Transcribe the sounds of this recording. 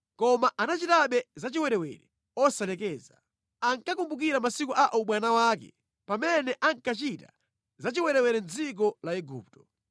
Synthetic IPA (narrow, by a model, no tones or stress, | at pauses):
kɔmaʔanat͡ʃitaɓɛzat͡ʃiwɛɾɛwɛ̰ɾɛ | ɔsalɛkɛːza | aŋkakumbuk̬iɾamasikuʔaʔɔɓwanawaːkɛ̰ | pamɛnɛʔaŋkat͡ʃita̰ | zat͡ʃiwɛɾɛwɛɾɛnzik̬ɔlaɛɡṵːp̚tɔ̥